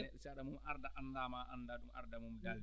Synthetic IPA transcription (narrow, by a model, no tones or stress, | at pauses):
ɛsɛaɗamumʔaɾdaʔandamaːʔa̰ndaːɗumʔa̰ɾdamumdal